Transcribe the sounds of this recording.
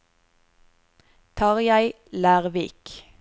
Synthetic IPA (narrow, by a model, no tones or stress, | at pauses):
t̪ʰɑːʁjæɪ | læːʁʋiːk